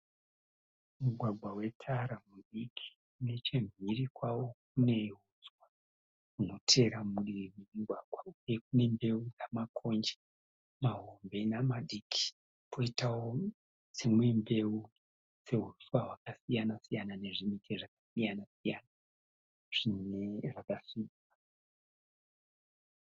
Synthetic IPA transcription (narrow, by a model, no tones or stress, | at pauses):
muɡʱwaɡʱwawe̞tʰaɾamuɗikʰi̥ | une̞t͡ʃe̞mirikwawo̞k̚une̞ɦud͡zwa | kuno̞tʰe̞ɾamuɗiriremuɡʱwaɡʱwauje̞k̚une̞mbe̞ud͡zamakʰo̞nd͡ʒe̥ | maɦo̞mbe̞namaɗiki̥ | pʰo̞itawo | t͡semwembe̞u | se̞ɦuruswaɦwakasijanasijanane̞ʐimitʰeʐakasijanasijana | ʐ̥ineʐakasina